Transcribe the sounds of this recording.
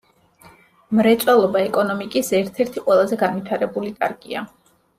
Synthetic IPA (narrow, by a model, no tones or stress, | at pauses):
mɾɛt̪sʼwɛlˠɔbaɛkʼɔnɔmikʼisɛɾt̪ʰɛɾt̪ʰiqʼwɛlˠazɛɡanvit̪ʰaɾɛbulikʼa̰ɾɡʼia̰